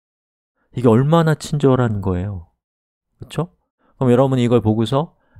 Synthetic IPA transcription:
iɡe̞ʌɭmanat͡ɕʰind͡ʑʌɾanɯnɡʌe̞jo | kɯt͡ɕʰo | kɯɾʌmjʌɾʌbuniɡʌɭpoɡusʰʌ

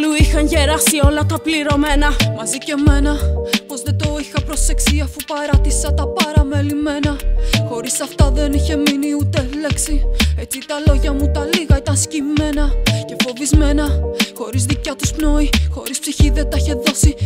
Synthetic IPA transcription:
luixɐnʝe̞ɾɐsio̞lɐt̪ɐpliɾo̞me̞nɐmɐzice̞me̞nɐpo̞zðed̪o̞ixɐpɾo̞se̞ksiɐfupɐɾɐt̪isɐt̪ɐpɐɾɐme̞lime̞nɐxo̞ɾisɐft̪ɐðe̞niçe̞miniut̪e̞le̞ksie̞t͡sit̪ɐlo̞ʝɐmut̪ɐliɣɐit̪ɐnscime̞nɐce̞fo̞vizme̞nɐxo̞ɾizðicɐt̪uspno̞ixo̞ɾispsiçiðe̞t̪ɐiçe̞ðo̞si

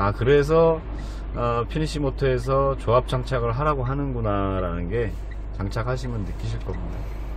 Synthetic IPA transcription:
akɯɾe̞s̬ʰʌ | ʌpʰiniɕʰimotʰoe̞s̬ʰʌt͡ɕoap̚t͡ɕ͈aŋt͡ɕʰaɡɯɭɦaɾaɡoɦanɯnɡunaɾanɯnɡe̞ | t͡ɕaŋt͡ɕʰakʰaɕ̬ʰimjʌnːɯk͈iɕ̬ʰiɭk͈ʌmida̰

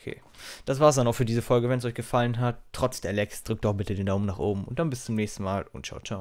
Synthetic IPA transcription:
ʔokʰḛː | d̥as̬v̥aːɐs̬d̥anaʊxfyːɐdiːzəfɔlɡəvɛns̬ʔɔʏçɡ̥əfalənɦattʰːʁ̥ɔt͡sd̥ɛɐlɛksd̥ʁʏk̚tdɔb̥ɪtədeːndaʊmnaːχʔoːbm̩ʊnt̚d̥anbɪst͡sʊmnɛːçstn̩maːlʊ̰ntt͡ʃa̰ʊt͡ʃaʊ

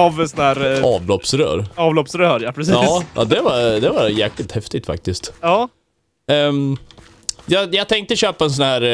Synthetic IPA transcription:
avsɔnæːɾʔɑːvlɔpsɾœ̰ːɾɑːvlɔpsɾœːɾjapʰɾɛsiɑːʔɑ̰d̪ɛvɑd̪ɛvaɾjæːklɪt̪hɛft̪ɪɡ̚t̪fa̰k̚t̪ɪst̪ɑː | jɑjɑːɡt̪ʰɛŋk̚t̪əɕøːpaɛnsɔnhæːɾ

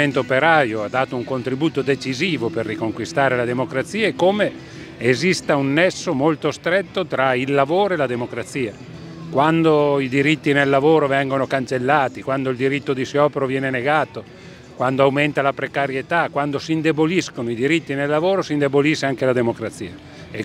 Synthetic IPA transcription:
ent̪oopeɾaːɾjoad̪ːaːt̪ouŋkont̪ɾibuːt̪od̪et͡ʃiziːvoperːikoŋkwist̪aːɾelad̪emokɾat̪siːaekːome | ezist̪aunːɛsːomolt̪ost̪ɾet̪ːot̪ɾailːavoːɾoelad̪emokɾat̪siːa | kwand̪oid̪iɾit̪ːinelːavoːɾovɛŋɡonokant͡ʃelːaːt̪ikwand̪oild̪iɾit̪ːod̪isjɔːpeɾovjɛːneneɡaːt̪o | kwand̪oawment̪alapɾekaɾjet̪akwand̪osiːnd̪eboliskonoid̪iɾit̪ːinelːavoːɾosind̪eboliseaŋkelad̪emokɾat̪siːa | e

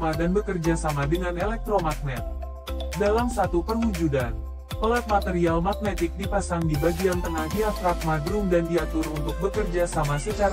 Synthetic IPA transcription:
madanbəkərd͡ʒasamadəŋanɛlɛk̚t̪ɾomak̚nɛt̪̚ | dalamsat̪upərhud͡ʒudan | pəlat̪̚mat̪ɛɾialmak̚net̪ɪk̚dipasaŋdibaɡiant̪əŋahdiafɾak̪̚madɾʊmdandiat̪ʊrunt̪ʊk̚bəkərd͡ʒasamasət͡ʃaɾ

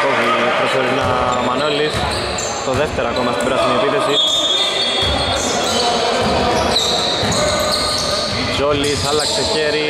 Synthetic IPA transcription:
oipɾosoɾinɐmɐnolis | t̪oðeft̪eɾoɐko̞mɐst̪imbɾɐsinepiθisi | d͡ʒolisɐlɐkseçeɾi

